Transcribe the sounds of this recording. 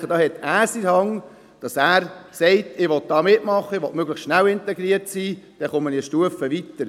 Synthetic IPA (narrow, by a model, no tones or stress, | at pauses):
əd̥ɑːhɛt̪æːɾsiɾhɑŋ | d̥ɑsæːɾsɛɪtɪʋɔt̪̚d̥ɑːmɪtmɑχːəɪʋɔtmøɡləχstʃnæwɪntɛɡɾiəɾtsiːd̥ɛχʊməniʃtuəfəʋitːəɾ